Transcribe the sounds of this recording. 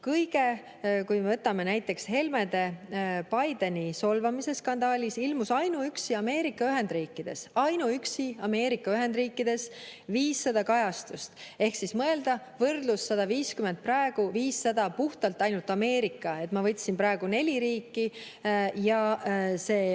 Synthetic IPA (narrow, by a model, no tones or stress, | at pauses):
kɤjɡe̞ | kujmevɤt̪ːˑɑme̞næjt̪ːˑe̞kshe̞lmed̪e̞pɑjd̪eniso̞lvɑmise̞sːkɑnd̪̥ɑːlʲisilmusɑjnuyksiɑme̞ːɾikːˑɑyɦe̞nd̪riːkˑːid̪̥e̞sɑjnuyksiɑme̞ːɾikːˑɑyɦe̞nd̪riːkːˑid̪̥e̞sviːsːɑd̪̥ɑkɑjɑst̪ust̪e̞hksismɤe̞ld̪̥ɑ | vɤrd̪̥lusːɑd̪̥ɑviːskyment̪̚prɑe̞ɡ̥uviːsːɑd̪ɑpuht̪ɑlt̪ːˑɑjnult̪ˑɑme̞ːɾikːˑɑe̞t̪ːˑmɑvɤt̪ʲːsinpɾɑeɡ̥une̞lʲiɾiːkːi | jɑse̞ː